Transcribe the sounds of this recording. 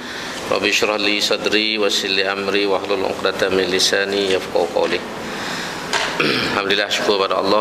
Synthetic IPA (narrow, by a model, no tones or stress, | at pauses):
ɾˤɑ̰bjɪʃɾˤɑhlisˤɑd̪ɾiwasɪlːiʔamɾiwʔahlʊlʔʊ̰qd̪at̪mɪnlːɪsaːnijafqɑ̰hqɑ̰wli | ħamd̪lɪlːaːhaʃʊ̥kuːbad̪ʔɑ̰lˤːɑː